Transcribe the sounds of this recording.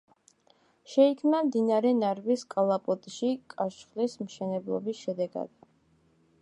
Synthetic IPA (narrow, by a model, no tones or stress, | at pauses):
ʃɛikʰmnamd̪inaɾɛnaɾviskʼalˠapʼɔt̪ʼʃikʼaʃχlismʃɛnɛblˠɔ̰bisʃɛd̪ɛɡa̰d̪̥